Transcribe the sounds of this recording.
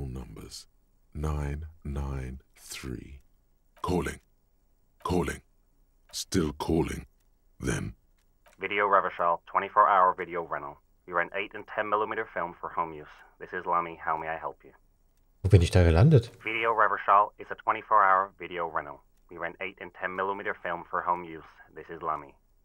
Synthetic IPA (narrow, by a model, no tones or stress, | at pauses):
lˠnʌ̰̃mbə̰z̥ | nãɪ̃nːãɪ̃nθɹḭː | kʰɔːlɪ̰̃ŋ | kʰɔːlɪ̰̃ŋ | stɪlˠkʰɔːlɪ̰̃ŋ | ðɨ̰̃n | vɪɾioʊɹɛvə˞ʃɑlˠtʰw̥ɛ̃ɾ̃ifɔɹʔaʊə˞vɪɾioʊɹɛñl̩ˠ | wiɹɛ̃nteɪɾɨ̃ntʰɛ̃nmɪlˠəmiɾə˞fɪlˠɱfə˞hõʊ̃mjʉs | ðɪsɨzlʌmihaʊmeɪaɪɦɛlˠpʰjʉ | voːbɪnɪçd̥aːɡəlandətvɪɾioʊɹɛvə˞ʃɑlˠɨzətʰw̥ɛ̃ɾ̃ifɔɹaʊə˞vɪɾioʊɹɛ̃nl̩ˠ | wiɹɛ̃nteɪɾɨ̃ntʰɛ̃nmɪlˠəmiɾə˞fɪlˠɱfə˞hõʊ̃mjʉsðɪsɨzlʌmi